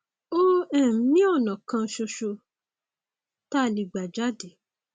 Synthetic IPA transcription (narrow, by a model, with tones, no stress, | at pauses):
o˦ɛ̃˦˨m̩˦nĩ˦ɔ˦˨nã˨kã˧ʃo˧ʃo˧ | ta˦˨li˧˨ɡ͡ba˨d͡ʒa˦de˨˦